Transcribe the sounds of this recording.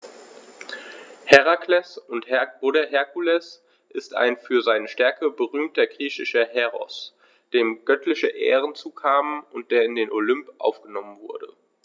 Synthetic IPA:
hɛʁaklɛsʊnthɛbodɛɦɛɐkulɛs | ʔɪsta̰ɪnfyːɐzaɪnəʃtɛɐkəbəʁyːmtɐɡʁiːçɪʃɐɦɛʁɔ̰s | d̥eːmɡœtlɪçəʔɛ̰ːʁ̞ənt͡suːkʰaːmənʊnt̚d̥eːɐɪndeːnʔolʏmpʔa̰ʊfɡ̥ənɔmənvʊɐdə

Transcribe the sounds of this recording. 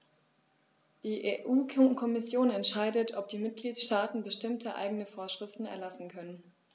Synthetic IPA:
d̥iːʔeːʔuːkʰɔmɪsjoːnɛntʃaɪdətʰʔɔp̚d̥iːmɪt̚ɡ̥liːtʃtaːtn̩bəʃtɪmtʰəʔa̰ɪɡənəfoːɐʃʁ̥ɪftn̩ɛ̰ɐlasn̩kʰœnən

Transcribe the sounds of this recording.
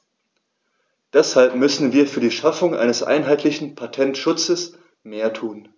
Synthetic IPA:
d̥ɛshalpmʏsn̩viːɐfyːɐdiːʃafʊŋʔa̰ɪnəsʔa̰ɪnɦaɪtʰlɪçn̩pʰatʰɛntʃʊt͡səs | meːɐtʰuːn

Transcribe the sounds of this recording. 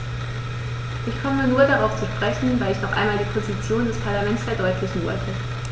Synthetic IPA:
ʔɪçkʰɔmənuːɐdaʁaʊft͡suʃpʁ̥ɛçn̩vaɪlɪçnɔχʔa̰ɪnmaːldiːpʰozit͡sjoːnndɛspʰaɐlamɛntsz̥eːɐdɔʏtʰlɪçn̩vɔ̰ɐtʰə

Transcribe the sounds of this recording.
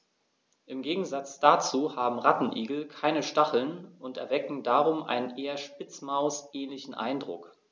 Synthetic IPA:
ʔɪmɡeːɡŋ̩zat͡sd̥at͡suːhaːbm̩ʁatn̩ʔiːɡl̩kʰaɪnəʃtaχl̩nʔʊntɛ̰ɐvɛkŋ̩daːʁʊmʔa̰ɪnənʔeːɐʃpɪt͡smaʊsʔɛːnlɪçn̩ʔa̰ɪndʁʊ̰k

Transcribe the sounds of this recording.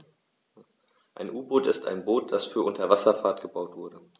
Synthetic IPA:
ʔaɪnʔuːboːtɪsta̰ɪnboːt̚d̥asfyːɐʔʊntɐvasɐfaːɐtɡ̥əbaʊtv̥ʊɐdə

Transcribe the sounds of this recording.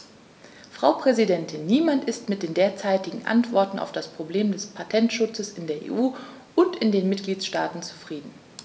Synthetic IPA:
fʁ̥aʊpʁ̥ɛzidɛntʰɪnːiːmantɪstmɪt̚d̥eːndeːɐt͡saɪtɪɡŋ̩ʔa̰ntv̥ɔɐtn̩ʔa̰ʊfd̥aspʁ̥obleːmdɛspʰatʰɛntʃʊt͡səsɪndeːɐʔḛːʔuː | ʔʊntɪndeːnmɪtɡ̥liːtʃtaːtn̩t͡su̥fʁ̥iːdn̩

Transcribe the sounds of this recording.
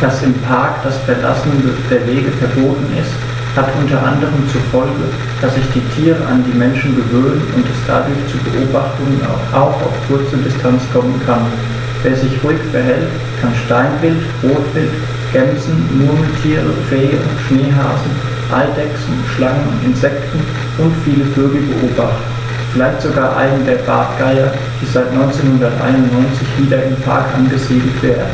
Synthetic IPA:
d̥asɪmpʰaɐkd̥asfɛɐla̰sn̩dəd̥eːɐveːɡəfɛɐboːtn̩ɪst | hatʔʊntɐʔa̰ndəʁəmt͡sufɔlɡə | d̥asz̥ɪçd̥iːtʰiːʁəʔandiːmɛnʃn̩ɡəvøːnənʔʊ̰ntɛsd̥a̰dʊɐçt͡suːbəʔoːbaχtʊŋən̰ʔaʊxʔa̰ʊfkʰʊɐt͡sədɪstʰant͡skʰɔmənkʰan | veːɐzɪçʁuːɪçfɛɐɦɛlt | kʰanʃtaɪnvɪltʁ̥oːtv̥ɪlt | ɡ̥ɛmzn̩mʊɐməl̩tʰiːʁəfeːɡəʃneːɦa̰ːzn̩ | ʔaldɛks̩ʃlaŋənʊ̰ntɪ̰nzɛktn̩ | ʔʊntfiːləfʏɐɡl̩bə̰ʔoːbaχtn̩ | fɪlaɪçtz̥oɡaːɐʔa̰ɪnəndeːɐba̰ːt̚ɡ̥aɪɐ | d̥iːzaɪtnɔʏnt͡seːnhʊndɐtʔa̰ɪnʊntnɔʏnt͡sɪçv̥iːdɐʔɪmpʰa̰ɐkʔa̰nɡəziːɡl̩tv̥eːɐddnn̩

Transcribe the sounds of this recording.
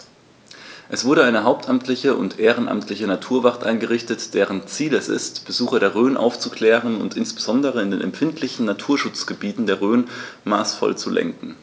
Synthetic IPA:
ʔɛsv̥ʊɐɾəaɪnəɦaʊp̚tʰʔamtʰlɪçəʔʊ̰ntʔeːʁ̞ənʔa̰mtʰlɪçənatʰuːɐvaʁtʔaɪnɡəʁɪçtətd̥eːʁ̞ənt͡siːlɛsɪ̰stb̥əzuːxɐɾeːɐʁøːnʔa̰ʊft͡sukl̥ɛːʁənʊ̰ntʔɪnsb̥əzɔndəʁəɪndeːnʔɛ̰mpfɪntʰlɪçn̩natʰuːɐʃʊt͡sɡ̥əbiːtn̩deːɐʁøːnmaːsfɔ̰lt͡sulʔɛ̰ŋkŋ̩

